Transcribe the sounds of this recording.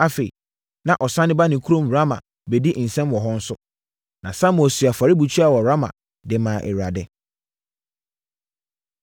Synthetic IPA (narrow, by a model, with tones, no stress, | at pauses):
a˨fe˨ḭ˨ | nã˨ʔɔ˨sã˦nɪ̃˦ba˦nɪ̃˨kʰu˦ɾõ˦m˨a˦mã̰˨ | bɛ˨di˦n̩˨sɛ̃˦mwɔ˨ɦɔ̃˦n̩˦sʊ˦ | nã˨sã˦m˨ɔ˨sɥa˨fa˨ɾi˦bu˨t͡ɕʰi˦a˨wɔ˨ɾa˦mã̰˨ | dɪ˨mãː˨ʔɛ̰˨ɥa˨dɛ˦